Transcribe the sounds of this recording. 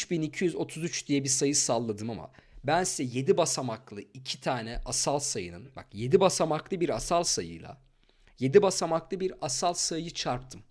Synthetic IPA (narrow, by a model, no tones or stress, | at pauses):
yt͡ʃbinicʰijyzo̞t̪ʰuzyt͡ʃd̪ijɛbisajɯsalˠːad̪ɯmama̰bænsizɛje̞d̪ibasamaklˠɯicʰi̥t̪ʰaːnɛʔasalˠsajɯ̰nɯnba̰kje̞d̪ibasamaklˠɯbiɾasalˠsajɯ̰jlˠa̰ | je̞d̪ibasamaklˠɯbiɾasalˠsajɯt͡ʃʰaɾp̚t̪ʰɯm